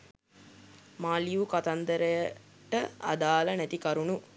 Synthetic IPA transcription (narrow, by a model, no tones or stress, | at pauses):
maːlijukat̪ɐnd̪əɾəjə | ʈəa̰d̪aːlɐnɛt̪ikɐɾunu